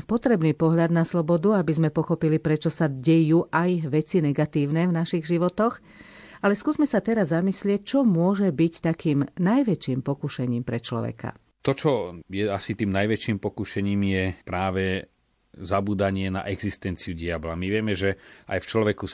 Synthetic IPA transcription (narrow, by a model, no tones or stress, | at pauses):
pɔt̪ɾɛbniːpɔɦʎad̪naslɔbɔd̪uabizmɛpɔxɔpilipɾɛt͡ʃɔsaɟɛjuːʔajʋɛt͡sinɛɡat̪iːʊnɛvnaʃiɣʒiʋɔt̪ɔx | alɛskuːzmɛsat̪ɛɾazːamislɪɛc̚t͡ʃɔmʊɔʒɛbict̪akiːmnajʋɛt͡ʃiːmpɔkuʃɛɲiːmpɾɛt͡ʃlɔ̰ʋɛ̰ka̰ | t̪ɔt͡ʃɔjɛasit̪iːmnajʋɛt͡ʃiːmpɔkuʃɛɲiːmjɛpɾaːʋɛ | zabuːd̪aɲɪɛna̰ʔɛɡzist̪ɛnt͡siuɟiabla̰miʋɪɛmɛʒɛʔa̰jft͡ʃlɔʋɛku